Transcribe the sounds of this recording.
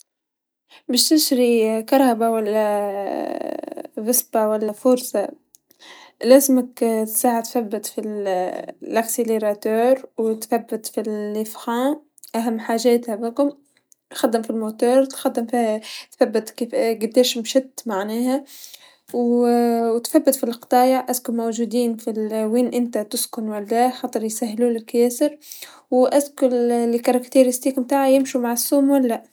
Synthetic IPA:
bɪːʃt̪ɪʃɾikɑɾˤhabawalːæ | ɣɪsbawalːafʊɾsɑ | læːzmɪkt̪saːʕat̪θabːɪt̪fil | ʔakseleɾɑt̪uːɾwt̪θabːɪt̪filifxãː | ʔaɦamːħaːʒæːt̪hæbikʊm | xɑd̪ːɪmfilmoːt̪uːɾˤt̪xɑd̪ːɪmfit̪θæbːɪt̪kiɡɪd̪ːeːʃmʃɪt̪ːmaʕnæːɦæ | wwt̪θæbːɪt̪filqt̪ˤɑːjɑʕʔaskʊlmowʒuːd̪iːnfilweːnʔɪnt̪at̪ʊskʊnwalːæxɑːt̪ˤɨɾjsæɦːluːlɪlkjæːsɪɾ | wʔæskʊllɪkɑɾˤɑkt̪iɾɪst̪iːkmt̪aːʕajɪmʃumaʕasːuːmwalːa

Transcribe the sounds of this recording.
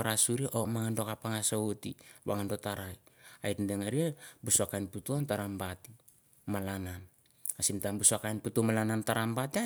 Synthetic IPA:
aɾasuɾieʔomaŋando̞kapaŋasoutḭβa̰ŋando̞taɾaja̰itndeŋaɾiebusuakajnputuantaɾambati | malanan | asintambusuakanputumalanantaɾambatia

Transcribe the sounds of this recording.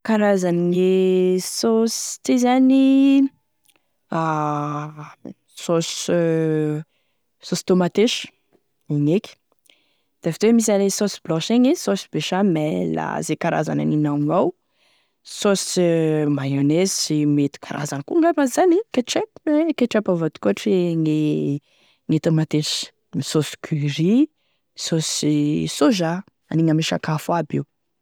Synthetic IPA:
kaɾazannisost̪ezani | a | sos | sosi̥t̪omat̪eʃ | iŋekʲ | d̪̥afit̪wemis̬alesosi̥blɔ̃ʃeŋisosibeʃamɛla̰zekaɾa̰za̰na̰ninawŋaw | sosimajonezsimet̪i̥kʰaɾʔa̰zankuŋɡafazanikaʈ͡ʂekekeʈ͡ʂɛpavat̪u̥kuʈ͡ʂeŋe | ŋet̪amat̪eʃ | misosi̥kʰiɾi | sosisoʒa | aniŋəmeʃakafabew

